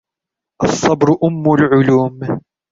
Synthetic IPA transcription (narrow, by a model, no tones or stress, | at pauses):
ʔɑsˤːɑbɾʔʊmːʊlʕʊluːm